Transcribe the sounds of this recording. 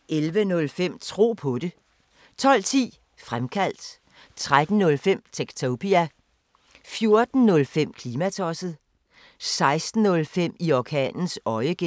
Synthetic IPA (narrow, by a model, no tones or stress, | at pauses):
ʔelʋənɔ̽lfem̰t͡sʰʁo̝̰ːpʰɔ̽de̝ | t͡sʰɒ̽l̰t͡sʰḭː | fʁamkʰæl̰d̥ | t͡sʰʁad̥n̩ːɔ̽lfem̰t͡sʰeɡ̥t͡sʰopʰiæ | fjo̝ɐd̥n̩nɔ̽lfem̰kʰliːmæt͡sʰɒsð̩ˠ | sɑ̈ɪsd̥n̩ɔ̽lfem̰iɒkʰɛ̰ːnn̩sɒ̽ɪəɡ̥e